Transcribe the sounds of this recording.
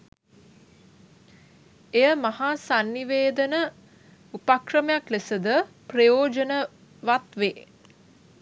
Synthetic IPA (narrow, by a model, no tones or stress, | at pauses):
ejəmaɦaːsanːiʋeːd̪ənə | upakrəmejaklesəd̪ə | prəjoːd͡ʒənə | ʋat̪ʋeː